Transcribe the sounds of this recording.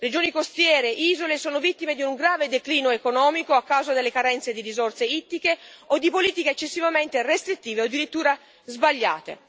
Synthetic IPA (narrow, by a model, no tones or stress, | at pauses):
red͡ʒoːnikost̪jɛːɾeʔiːzolesoːnovit̪ːimed̪iuŋɡɾaːved̪ekliːnoekonɔːmikoakːawzad̪elːekaɾɛnt̪sed̪iɾizortseit̪ːikeod̪ːipoliːt̪ikeːt͡ʃːesːivament̪erest̪ɾit̪ːiːveod̪ːiɾit̪ːuːɾa | zbaʎːa̰ːt̪ḛ